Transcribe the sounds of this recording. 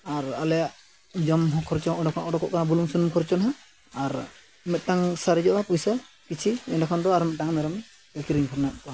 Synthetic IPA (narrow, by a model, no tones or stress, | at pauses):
aɾalɛjaʔ | d͡ʒɔmɦɔ̃kʰɔɾt͡ʃɔɔɖɔkʰɔʔɔɖɔkɔ̰ʔkanabuluŋsunɔmkʰɔɾt͡ʃɔnɦa | aɾ | mɛt̪̚taŋsaɾɛd͡ʒɔʔapujsa | kit͡ʃʰiɛndakʰand̪ɔaɾmɛt̪̚taŋmɛɾɔm | bɛkiɾiŋkʰɔɾnaʔ̚kɔa